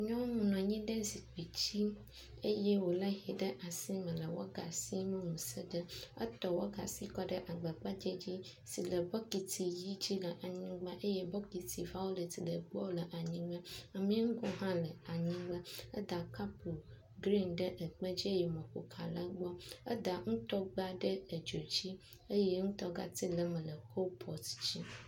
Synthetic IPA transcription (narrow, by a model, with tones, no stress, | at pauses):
ɲɔ̃˦ŋũ˨nɔ̃˨ɲĩ˦ɖə˦zi˨k͡pi˨t͡ɕi˦ | e˦je˦wo˨lə˦ɦi˨ɖə˦ʔa˨si˦mə̃˨lə˨wo̰˦ɡa˨si˦mə̃˦mũ˨sə˦ɖə˦ə̰˦t̪ɔ˨wo˦ɡa̰˨si˦kɔ˦ɖə˦ʔa˨ɡ͡bə˨k͡pa˦d͡ʒe˦d͡ʑi˦ | si˨lə˨bɔ˦ki˨t̪ʰi˨ji˦d͡ʑi˦lə˨ʔa˨ɲĩ˦ɡ͡ba˦ʔe˦je˦bɔ˦ki˨t̪ʰi˨va˦wo˦lə˨t̪i˨lə˨ɡ͡bɔ˦lə˨ʔa˨ɲĩ˦ɡ͡bə˦a˨mĩ˦ŋ̩˦ɡɔ˦ɦã˦lə˨a˨ɲĩ˦ɡ͡bə˦ə˦d̪a˨ka˦pu˨ | ɡɾi˦nɖə˦ʔə˨k͡pə˦d͡ʑi˦e˦jɛ˨mɔ̃˨ko̰˨kʰa˨lə˦ɡ͡bɔ˦ə˦d̪a˨ŋũ˦t̪ɔ˦ɡ͡ba˦ɖə˦˨d͡ʒo˨d͡ʑi˦ | ə˦je˦ŋũ˦t̪ɔ˦ɡa̰˨t̪i˦lə˨mə̃˨lə˨kʰo˦pʰɔ˨t̪d͡ʑi˦